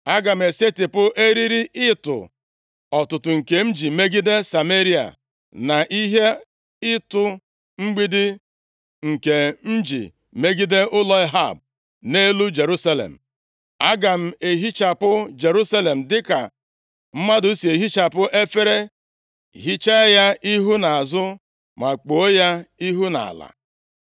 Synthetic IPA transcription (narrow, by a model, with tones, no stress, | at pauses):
a˦ɡa˨m̩˨e˨se˦tɪ˨pʊ˦ʔe˦ɾi˦ɾi˦ʔɪ˦tʊ̰˨ | ɔ˨tʊ˨tʊ˨ŋ̩˨ke˨n̩˦d͡ʒi˨me˦ɡi˦de˦sa˨me˦ɾi˦a̰˨ | na˨ʔi˦ɦe˦ | ɪ˦tʊ˨ | ŋ͡m̩˦ɡ͡bi˦dɪ˦ | ŋ̩˨ke˨n̩˦d͡ʒḭ˨ | me˦ɡi˦de˦ʊ˦lɔ˦ɪ˦ɦa̰˦˨b̚ | ne˦lu˦d͡ʒe˨ɾu˦sa˦lḛ˨m̩˨ | a˦ɡa˨m̩˦e˨ɦi˦t͡ʃa˨pʊ˦d͡ʒe˨ɾu˦sa˦le˨m̩˨dɪ˦ka˨ | m̩˦ma˦dʊ˨˦si˨e˨ɦi˦t͡ʃa˨pʊ˦ʔe˦fe˦ɾe˦ | ɦi˦t͡ʃa˦ja˦ʔi˦ɦu˦na˨a˨zʊ˦ | ma˨k͡po˨˦ja˦i˦ɦu˦na̰˨a̰˨la̰˨